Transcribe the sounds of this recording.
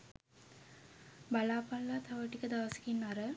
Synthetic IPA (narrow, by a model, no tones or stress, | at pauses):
balaːpalːat̪ʰaʋəʈikəd̪aʋɐsi̥kinːaɾə